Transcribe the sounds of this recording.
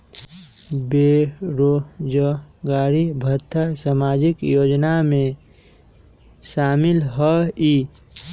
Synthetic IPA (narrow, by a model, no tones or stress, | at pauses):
beɾod͡ʒəɡaːɾibʱət̪ʰːasamaːd͡ʒɪkjoːd͡ʒnamẽ | ʃaːmɪlɦɔiː